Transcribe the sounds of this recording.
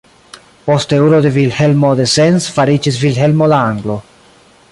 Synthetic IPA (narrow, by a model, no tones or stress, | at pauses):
posteuɾod̪evilhelmod̪esensfaɾid͡ʒisvilɦelmolaaŋɡlo̞